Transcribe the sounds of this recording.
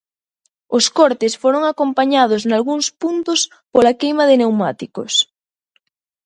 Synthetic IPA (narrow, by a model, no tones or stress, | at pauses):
oskoɾt̪esfoɾoŋakompaɲað̞oznalɣuŋspunt̪os | polakejmaðɪnewmat̪ikos